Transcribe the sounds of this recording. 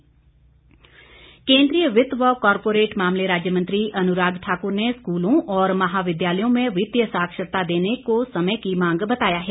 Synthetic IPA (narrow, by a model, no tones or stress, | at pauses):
kẽːnd̪ɾijəʋɪt̪ʋəkɔːɾpoːɾeːʈmaːmleɾaːd͡ʒjəmə̃nt̪ɾiːʔɐnʊɾaːɡ̪ʈʰaːkʊɾneskuːlõːʔɔːɾməɦaːʋɪd̪jaːləjõːmẽʋɪt̪jəsaːkʃəɾt̪aːd̪eːnekosəməkimãːŋ̆ɡbət̪aːjaːɦɛː